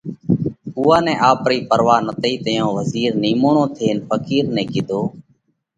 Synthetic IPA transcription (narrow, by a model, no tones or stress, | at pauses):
uːaːnɛ̃ːʔaːpɾiːpəɾʋaːnət̪iːt̪əjõːʋəziːɾniːmoːɳõːt̪ʰeːnfʰəkiːɾnɛ̃ːkɪd̪ʱoː